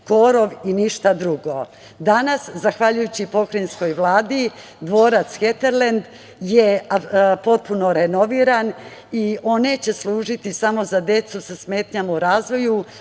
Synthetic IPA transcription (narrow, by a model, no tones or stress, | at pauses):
ko̞ɾoʋiniʃt̪ad̪ɾuɡo̞ | d̪anaszaxʋaʎujut͡ɕipo̞kɾensko̞jʋlˠaːd̪i | d̪ʋo̞ːɾat̪sxet̪eɾlend̪ | jepo̞t̪̚puno̞ɾeno̞ʋiːɾan | io̞net͡ɕe̞slˠuːʒit̪isamo̞zad̪e̞t̪susasmeːt̪ɲamuɾaːzʋo̞ju